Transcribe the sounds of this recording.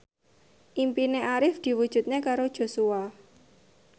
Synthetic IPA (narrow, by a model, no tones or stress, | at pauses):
ʔimpineʔaɾɪfd̪̥i̤wud̥ʒ̥ṳt̪̚ɲekaɾod̥ʒ̥o̤sua